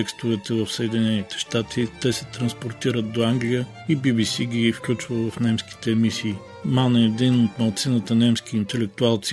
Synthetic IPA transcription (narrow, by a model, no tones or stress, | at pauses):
ɛkst̪ovɛt̪ɛvəfsəɛd̪inɛnit̪ɛ̥ʃt̪at̪ʰit̪ɛsɛt̪ɾɐnspoɾt̪iɾət̪̚d̪oaŋɡlʲijə | ibibisiɡ̟ʲifklʲut͡ʃvəlˠvɐfnɛmski̥t̪ɛːmisiː | manɛd̪inot̪mɐlˠt̪sinət̪ənɛmsk̟iːnt̪ɛlɛk̚t̪ualˠt̪s